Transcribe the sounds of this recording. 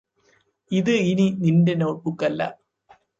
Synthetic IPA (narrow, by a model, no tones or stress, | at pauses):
iðɨininindenoːpukːɐlːɐ̰